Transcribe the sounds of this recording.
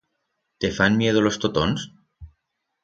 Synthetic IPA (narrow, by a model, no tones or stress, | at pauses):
t̪efanmjeð̞olo̞st̪ot̪ons